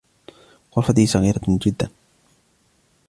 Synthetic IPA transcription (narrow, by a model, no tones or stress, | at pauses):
xʊɾˤfat̪ihsˤɑɣiːɾad͡ʒɪd̪ːan